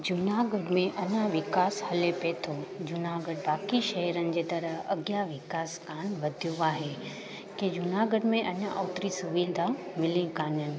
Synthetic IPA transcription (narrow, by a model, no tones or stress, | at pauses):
d͡ʑʊnaɡəɖmẽʔɐɲaʋɪkaːshɐlepeːt̪ʰod͡ʑʊnaɡəɽbaːkiʃɐɦɾənɪ̆d͡ʑeːt̪ɐɾəɦɐ̰ɡjaʋɪkaːskaːnʋɐd̪ʱijũaːɦe | kid͡ʑʊnaːɡəɖmẽʔɐɲaʔoːt̪ɾisʊʋiːd̪ʱamɪlĩkaːnijənɪ̆